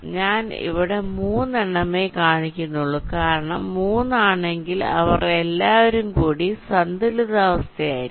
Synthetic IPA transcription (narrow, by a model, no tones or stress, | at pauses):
ɲaːnḭʋiɽe̞muːnːeɳːɐmeːkaːɳikʲːunːuɭːukaːɾɐɳɐmːuːnːaːɳe̞ŋɡilɐ̰ʋɐrelːaːʋoɾumkuːɽisɐnd̪iluðaːʋɐst̪ʰɐjaːjiɾ